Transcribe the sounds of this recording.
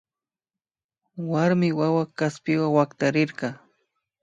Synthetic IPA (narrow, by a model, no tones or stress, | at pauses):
waɾmɪwawakaspɪwawakt̪aɾɪɾɢɑ